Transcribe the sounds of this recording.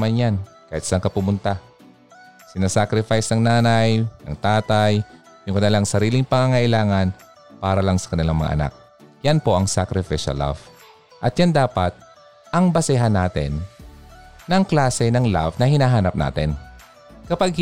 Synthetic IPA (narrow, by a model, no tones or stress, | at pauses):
manjan | kaːhɪt̪saaŋkɐpʊmʊnt̪a | sɪnasakɾɪfajsnɐŋnaːnajnɐ̰ŋt̪aːt̪aj | jʊŋkɐnɪlaŋsɐɾiːlɪŋpɐŋaːŋɐʔɪlaːŋan | paːɾɐlaŋsɐ̥kɐnɪlaŋmɐ̰ŋa̰ʔɐ̰na̰k̚ | janpo̞ʔɐŋsakɾɪfɪʃɐ̰la̰v | ʔɐt̪̚jand̪aːpat̪̚ | ʔɐŋbɐsɪɦanːaːt̪ɪ̰nː | ɐŋklaːsɛnɐŋla̰vnɐhɪnaːɦaːnɐp̚na̰ːt̪ɛn | kɐpaɡ̚